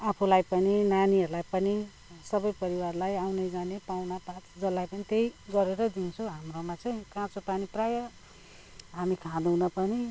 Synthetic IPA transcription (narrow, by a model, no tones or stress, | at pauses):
apʰulajpʌninaniʌɾulajpʌni | sʌbʌjpʌɾiwarlajawnejd͡zanepawnapãt͡sd͡zʌlːajpʌnit̪ejɡʌɾeɾʌd̪int͡sʰoɦamromat͡sʌ̃j̃kãt͡sopaniprajʌ | ɦamikʰãd̪uwnʌpʌni